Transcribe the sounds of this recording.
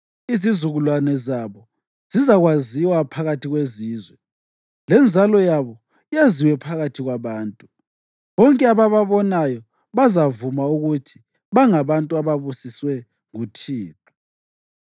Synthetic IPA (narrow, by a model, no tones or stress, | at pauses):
izizuɣulwanɛzaβɔ | z̥izaɣwaziwapʰaɣatʰiɣweziːzwɛ | lɛnd͡zʱalɔjaβɔ | ijaziwɛpʰaɣatʰiɣwaβaːntʼu | βɔŋkʼɛaβaβaβɔnajɔ | βazavumauɣutʰi̥ | βaŋaβantʼuaβaβusiswɛ | ŋutʰiːpʼa